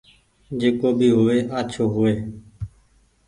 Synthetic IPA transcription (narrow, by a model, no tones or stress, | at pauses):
d͡ʒeːkoːbʱiːɦʊːeːʔət͡ʃʰoːɦʊeː